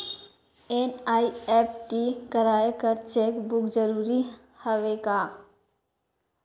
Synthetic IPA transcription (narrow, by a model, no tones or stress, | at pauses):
enaiepʈikəɾaekəɾt͡ʃekbukd͡ʒəɾuɾi | həʋeka